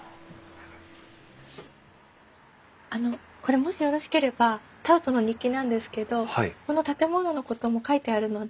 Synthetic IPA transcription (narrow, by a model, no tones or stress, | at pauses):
ano̞ | ko̞ɾe̞mo̞ɕijo̞ɾo̞ɕi̥ke̞ɾe̞ba | t̪aɯt̪o̞no̞ɲ̟ikʲinãnd̪e̞sɨ̥ke̞d̪o̞hko̞no̞t̪at̪e̞mo̞no̞no̞ko̞t̪o̞mo̞kait̪e̞aɾɯ̟no̞d̪e